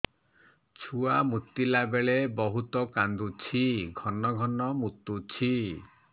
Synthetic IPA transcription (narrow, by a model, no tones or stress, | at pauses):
t͡ʃʰuamut̪ːilabeɭebɔɦut̪ɔkand̪ut͡ʃʰiɡʱɔnɔɡʱɔnɔmut̪ːut͡ʃʰi